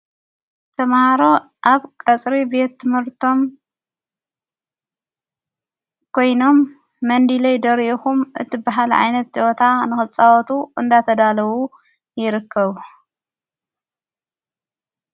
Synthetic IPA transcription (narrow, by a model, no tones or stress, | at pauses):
t̪ʰɐmhaɾo̞ | ʔaβkʼɐt͡sʼɾibe̞t̪ːɨmhɨɾt̪ʰo̞m | kʰo̞jno̞mː | ɐnd̪ilɐjd̪ɐɾʔixumʔɨ̰t̪ʰibaɦalʕa̰jnɐt̪̚d͡ʒot̪ʰanɨxɨt͡sʼawɔt̪ʰuʔɨnd̪at̪ʰɐd̪alɐβu | jɪɾɨkʰːɐβu